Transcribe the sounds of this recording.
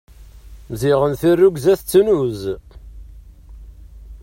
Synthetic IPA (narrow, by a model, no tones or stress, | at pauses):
mziʁənθirːuɡzæθt͡sːnuz